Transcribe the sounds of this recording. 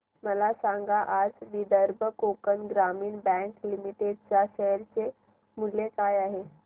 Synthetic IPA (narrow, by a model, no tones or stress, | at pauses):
məlasaŋɡaʔad͡zʋid̪əɾbʱəkokənɡɾamiːnbɛ̃ŋklimiʈeɖt͡ɕjaɕeɦəɾt͡se | mulekajaɦe